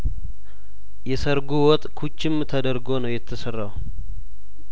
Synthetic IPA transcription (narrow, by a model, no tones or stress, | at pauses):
jɛsəɾɡuwɔt̪ʼkʰut͡ʃːɪmt̪ʰəd̪əɾɡonəwjɛt̪ʰːəsərːaw